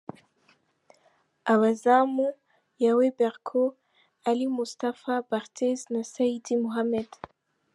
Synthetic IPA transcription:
ʔawazamu | jawebɛʁkʰo | alimust̪afabaʁt̪ʰeznasaid̪imuɦamɛd̪

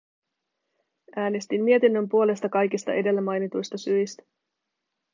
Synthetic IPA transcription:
ʔæːne̞st̪imːiet̪inːømpuo̞le̞st̪ɑkɑjk̟ist̪ɑ̰ʔe̞de̞lːæmɑjnit̪ujst̪ɑsyjst̪æ̥

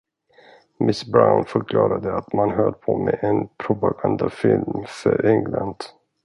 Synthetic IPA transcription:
mɪsbɾaʊnfœɾkʰlɑːɾad̪əat̪manɦœːɖpʰɔmɛʔɛnpʰɾʊpaɡand̪afɪlmfœɾʔɛŋland̪̥

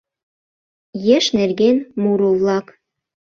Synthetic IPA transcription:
jĕʃnerɡenmuɾovlˠɑk

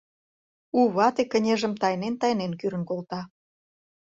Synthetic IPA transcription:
uβɑt̪ekːənʲeʒə̆mt̪ɑjnent̪ɑjnenkyɾə̆nkolt̪ɑ

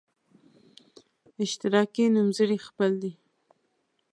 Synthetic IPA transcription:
ɪʃt̪ɪɾɑkenumzəɽixpəld̪i

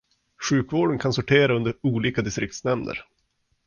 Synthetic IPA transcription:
ɧʉ̟ːkvoːɖənkʰansʊʈʰeːɾaɵnd̪əɾuːliːkad̪ɪst̪ɾɪk̚t̪snɛmd̪ə̰ɾ

